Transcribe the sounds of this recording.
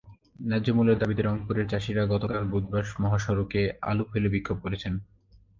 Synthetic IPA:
nɛd͡ʑomuleɾd̪abit̪eɾɔŋpuɾeɾt͡ɕaʃiɾaɡɔt̪okalbud̪̚baʃmɔɦaʃɔɾukea̰lupelebikʰːob̚koɾet͡ɕʰen

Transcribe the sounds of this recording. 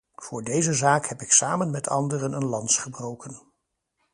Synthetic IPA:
v̥ʊːɹdejzəzaːkhɛpɪksaːmənmɛtʰɑ̰ndərənənlɑntsχəbrowkən

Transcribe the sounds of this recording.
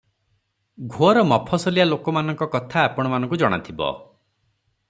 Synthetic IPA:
ɡʱoɔɾɔmɔpʰɔsɔlialokɔmanɔ̃ŋkɔkɔt̪ʰaːpɔɽ̃ɔmanɔ̃ŋkud͡ʒɔɽ̃a̰t̪ʰibɔ̰

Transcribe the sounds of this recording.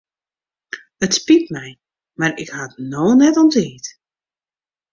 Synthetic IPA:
ətspitmɛj | marɪ̰khatnoːnɛtɔnteːt

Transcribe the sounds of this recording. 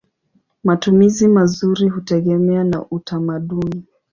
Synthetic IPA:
matumizimazuɾihutɛɠɛmɛana̰ʔutamaɗuni

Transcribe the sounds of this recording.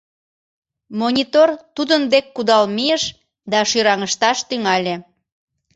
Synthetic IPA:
monʲit̪ort̪ud̪ənd̪ekːud̪ɑlmijəʃ | d̪ɑʃyɾɑŋəʃt̪ɑʃt̪yŋɑlʲe

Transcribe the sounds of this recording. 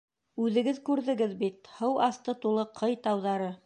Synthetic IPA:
ʉðɘ̆ɡɘðkʉɾðɘ̆ɡɘðbit̪hɤwʔɑst̪ɤt̪ulˠɤqʰɤjt̪ɑwðɑɾɤ

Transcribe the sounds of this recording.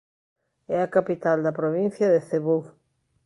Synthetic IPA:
ɛakapit̪ald̪ɐpɾoβĩn̟θjɐðeθeβow

